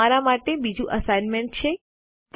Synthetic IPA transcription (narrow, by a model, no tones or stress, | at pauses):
aɾamaʈebid͡ʒũʔəsajnmeɳʈ̚t͡ʃʰe | t̪